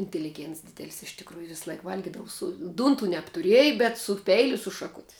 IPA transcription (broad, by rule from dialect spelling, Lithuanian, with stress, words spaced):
ɪnʲtʲɛlʲɪˈɡʲeːnts ˈdʲɪdʲɛlʲɪs ɪʃ tʲɪkˈruːjʊ ˈʋʲɪs ˈlˠɐɪk ˈʋɐlʲɡʲɪdɐʋʊ sʊ ˈduːntʊ nʲɛptʊˈrʲiɛjɪ bʲɛt sʊ ˈpʲɛɪlʲʊ ɪ sʊ ʃɐˈkʊtʲɪ